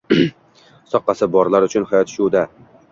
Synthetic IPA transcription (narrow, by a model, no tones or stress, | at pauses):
sɒqːɑsɪbɒɾlaɾʊt͡ʃʰʊnhajɒt̪ʃuwd̪a